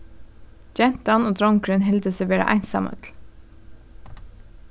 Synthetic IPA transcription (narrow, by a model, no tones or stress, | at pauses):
d͡ʒɛnt̪ɑnoːd̪ɾɔŋkɾʏːnɦɛld̪əseʋeːɾə̰ʔæ̰ɪnsɑ̰mʔə̰t̪ʰl̩